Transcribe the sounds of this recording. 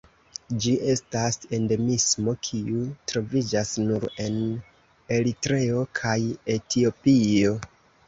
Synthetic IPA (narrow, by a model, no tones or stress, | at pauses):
d͡ʒiʔe̞stase̞nde̞mismo̞kʰiutɾo̞vid͡ʒasnuɾe̞n | e̞litɾe̞o̞kʰaje̞tio̞pio̞